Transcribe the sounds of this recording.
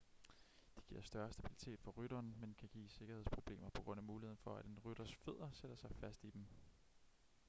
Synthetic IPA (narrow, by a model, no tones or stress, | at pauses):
d̥e̥ɡ̥iɐ̰sd̥ɶɐsd̥æb̥ili̥t͡sʰe̝̰ːd̥fɒ̽ʁyɾ̥ɐːnmenkʰæɡ̥ḭːse̝ɡ̥ɐhe̝ð̞̰ˠspʰʁo̝b̥le̝̰ːmɐpʰɒ̽ɡ̥ʁɔ̽n̰æmuːlihḛn̩fɒ̽æɾ̥e̝nʁyɾ̥ɐsfe̝ð̞̰ˠɐseɾ̥ɐsɑ̈ɪfæsd̥id̥em